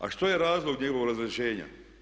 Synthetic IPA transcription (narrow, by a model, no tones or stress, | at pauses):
a̰ʃt̪ojeɾaːzlˠoɡɲeɡoʋo̞ɡɾazɾeʃeːɲa̰